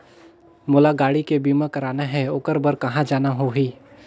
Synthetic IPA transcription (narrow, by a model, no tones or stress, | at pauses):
mʊlaɡaːɽikebiːmakɐɾaːnaɦɛʊːkəɾbəɾkɐɦãd͡ʒaːnaɦoɦiː